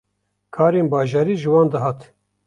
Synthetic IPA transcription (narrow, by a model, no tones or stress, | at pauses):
kʰɑːɾeːnbɑːʒɑːɾiːʒɨwɑːnd̪ɨɦɑːt̪